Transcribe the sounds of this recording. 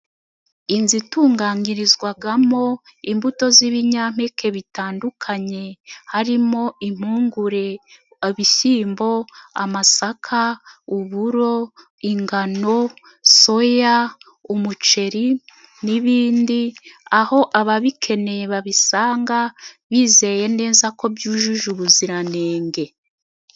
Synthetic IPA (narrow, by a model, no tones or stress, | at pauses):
inzituːŋɡaɲiɾizɡwaɡamo̞ | imbuto̞ziβiɲam̥ekʰe̞βitaːndukʰaɲe̞haɾimo̞im̥uːŋɡuɾe̞ | βiʃiːmbo̞amasakʰauβuɾo̞ | iŋɡano̞ | so̞ja | umut͡ʃe̞ɾi | niβiːndiaho̞ʔaβaβikʰe̞ne̞βaβisaːŋɡaβiːze̞je̞ne̞ːzako̞bjuːʒuʒuβuziɾane̞ːŋɡe̞